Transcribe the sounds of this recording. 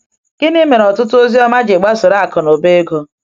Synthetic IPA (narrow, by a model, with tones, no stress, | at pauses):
ɡ̥ɪ˦ni˦me˨nɔ˨tʊ˦tʊ˦o˦zi˦ɔ˦ma˦d͡ʒɪ˨ɡ͡ba˦sʊ˨ɾa˨˦a˨kɔ˨no˨be˦ɡo˦